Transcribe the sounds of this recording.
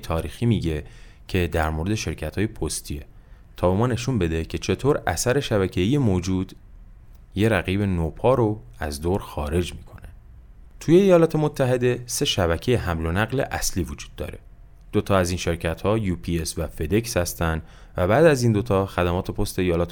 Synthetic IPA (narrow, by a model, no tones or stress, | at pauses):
t̪ʰɒːɾiːxiːmiːɟe̞ | cʰe̞d̪æɾmoɾe̞d̪eʃe̞ɾcʰæt̪hɒːjepʰost̪ʰie | t̪ʰɒːbe̞mɒːne̞ʃunbe̞d̪e̞cʰe̞t͡ʃʰe̞t̪ʰoːɾæ̰sæɾe̞ʃæβæcʰejijemoːd͡ʒuːd̪̥ | je̞ɾæɣiːbe̞nopʰɒːɾo̞æ̰zd̪oːɾxɒːɾe̞d͡ʒmiːkʰo̞ne | t̪ʰuje̞ːjɒːlɒːt̪ʰe̞mot̪ʰːæɦe̞d̪e̞se̞ʃæβæcʰe̞jeɦæmlo̞næɣlḛʔæsliːvod͡ʒuːd̪̥̚ːɒ̰ːɾe̞̰ | d̪̥ot̪ʰɒːæziːnʃe̞ɾcʰæt̪hɒːjupʰiesvæfe̞d̪e̞kshæst̪ænd̪ | væbæːd̪æziːnd̪o̞t̪ʰɒːxæd̪æmɒːt̪ʰe̞pʰo̞st̪e̞ejɒːlɒːt̪ʰe